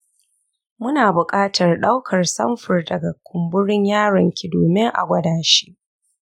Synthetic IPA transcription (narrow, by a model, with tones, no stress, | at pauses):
mʊ˦naː˨bʊ˨kʼaː˦tʰɐ˨rɗa˦wkʰɐ˨rsɐ̰˦mɸʊ˨rdɐ˨ɡa˨kʷʰʊ˨mbʊ˦ɽɪ˦ɲjaː˦ɽɐ˨ŋkʲi˨doː˨mɪ˦ŋʔa̰˨ɡʷɐ˦daː˨ʃi̥˦ʔ